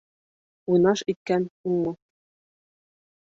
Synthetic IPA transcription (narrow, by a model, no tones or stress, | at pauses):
ujnɑʃit̪̚kænuŋmo